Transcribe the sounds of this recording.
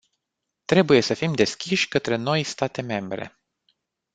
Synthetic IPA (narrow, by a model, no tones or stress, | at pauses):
t̪ɾe̞buje̞səfimd̪e̞skʲiʃʲkət̪ɾe̞no̞jst̪at̪e̞me̞mbɾe̞̰